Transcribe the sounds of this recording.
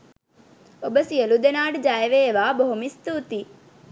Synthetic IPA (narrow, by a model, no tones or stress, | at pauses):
obəsijəlud̪enaːɖd͡ʒaːjəʋeːʋaːboɦumist̪uːt̪i